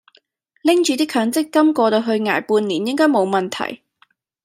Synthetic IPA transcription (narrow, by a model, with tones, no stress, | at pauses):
lɪ˥ŋt͡ʃyː˨˧t̪iː˥kʰœː˨˥ŋt͡sɪ˥kːɐ˥mkɔː˧t̪o˧wɦɵ˧ɥŋa̰ː˨˩jpuː˧nliː˨˩njɪ˥ŋkɔː˥jmo˨˧wmɐ˨nt̪ʰɐ̰˨˩j